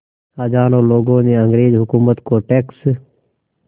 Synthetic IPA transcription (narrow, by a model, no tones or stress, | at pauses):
aːd͡ʒaːnõːloːɡõːneːə̃ŋɡɾeːd͡ʒɦʊkuːmət̪koːʈeːks